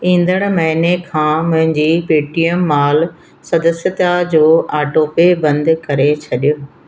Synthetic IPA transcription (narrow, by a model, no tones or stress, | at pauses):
ĩːn̆d̪əɽ̃mɐɦinekʰãːmʊ̃ɦɪ̃ɲd͡ʑiːpeːʈiəmːaːl | sɐd̪əsjət̪ad͡ʑoːaːʈoːpebɐ̃nd̪kɐɾet͡ɕʰɐɗijoː